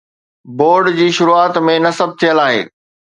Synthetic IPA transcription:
boːɾɖd͡ʑiːʃʊɾuaːt̪mẽnɐsəb̚ʱt̪ʰijəlaːɦḛː

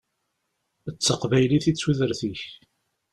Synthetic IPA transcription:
ət͡sːəqvæjliθit͡sːwiðəɾθiç

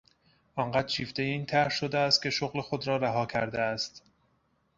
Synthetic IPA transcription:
ʔɒːɴɢæd̪t͡ʃʰiːft̪ejeiːnt̪ʰæɾɾʃod̪eæst̪̚kʲʰe̞ʃoɣle̞xod̪ɾɒːɾæɦɒːkʰæɾd̪eæst̪

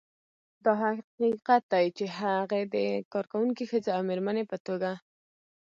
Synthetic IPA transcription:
d̪ɑɦaqiqat̪̚d̪ajt͡ʃeɦaɣed̪əkɑɾkawuŋkixəzeawmeɾmənepət̪oɡa

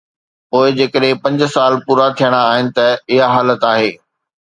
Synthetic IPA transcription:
poːɪd͡ʑeːkəɗɦɪ̃pɐ̃ɲd͡ʑ̆saːlpuːɾat̪ʰijəɽ̃aːɦɪnɪ̆t̪ɐɪɦaɦaːlət̪aːɦeː

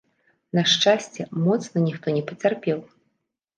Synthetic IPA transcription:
nɐʂt͡ʂasʲt͡sʲɛmɔt̪snɐnʲixt̪ɔnʲɛpɐt͡sʲarpʲɛw

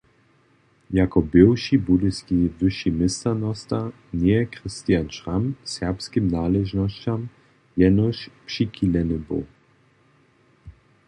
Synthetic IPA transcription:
jakɔbɪwʃibud̪ɪskivɘʃimɪst̪anɔst̪a | nɛkɾɪst̪ijant͡ʃʁamsɛʁpskimnaːlɛʒnɔɕt͡ɕam | jɛnɔʃpʂikilɛnɪbo̰w

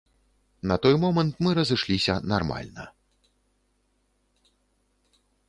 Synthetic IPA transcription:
nɐt̪ɔjmɔmɐnt̪mɨɾɐzɨʂlʲisʲɐnarma̰lʲnɐ̰

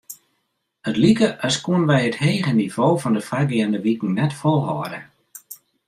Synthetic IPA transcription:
ətlikəʔɔskuənənʋɛjətheːɣəniv̥oːvɔndəfraɡiəndəʋikŋ̩nɛtfɔlˠɦɔ̰ədə

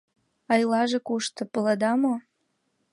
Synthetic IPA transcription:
ɑjlɑʒekuʃt̪ɤ̆pələd̪ɑmo

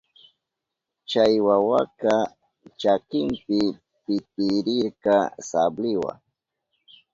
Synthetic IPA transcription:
t͡ʃajwawaka | t͡ʃakɪmpɪ | pɪt̪ɪɾɪɾkasablɪwa̰ŋ

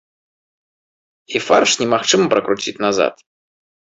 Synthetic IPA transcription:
ifarʂnʲɛmaxt͡ʂɨmɐpɾɐkɾut͡sʲit͡sʲnaza̰t̪

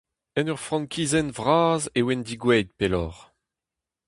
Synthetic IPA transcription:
ɛnœʁfʁɑ̃ŋkʰʲiːzɛnvʁaːzewɛnd̪iɡwɛjd̪̚pelɔ̰ːʁ

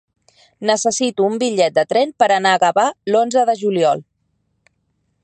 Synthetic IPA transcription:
nəsəsit̪uːmbiʎɛt̪̚d̪ət̪ɾɛnpəɾənaːɣəβalonzəðəʒuliɔlˠ

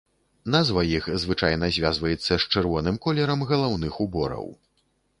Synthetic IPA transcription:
nazvɐjixzvɨt͡ʂajnɐzʲvʲjazvɐjɛt̪sːɐst͡ʂɨrvɔnɨmkɔlʲɛɾɐmɣɐlˠawnɨxubɔ̰ɾɐ̰w

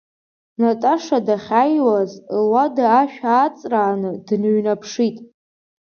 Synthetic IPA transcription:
natʼaʂadaχʲajwazwadaːʃᶣat͡sʼraːnɨdnɥnapʰʂitʼ

